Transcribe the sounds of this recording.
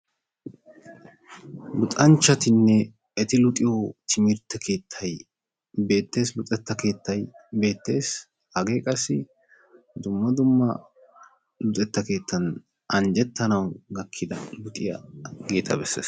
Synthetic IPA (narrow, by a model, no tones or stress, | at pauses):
lʊt̪ʼɐnt͡ʃːɐt̪ɪnːɛ | ɛt̪ɪlʊt̪ʼɪjot̪ʰɪmɪɾt̪ːɐkʰe̞ːt̪ʰːɐj | be̞ːt̪ːe̞ːslʊt̪ʼɛt̪ːɐke̞ːt̪ːɐjbe̞ːt̪ːe̞ːs | hɐɡe̞ːkʼɐsːɪ | d̪ʊmːɐd̪ʊmːɐ | lʊt̪ʼɛt̪ːɐke̞ːt̪ʰːɐn | ʔɐnd͡ʒɛt̪ːɐnɐwɡɐkʰːɪd̪ɐlʊt̪ʼɪjɐ̰ɡe̞ːt̪ʰɐbɛsːḛːs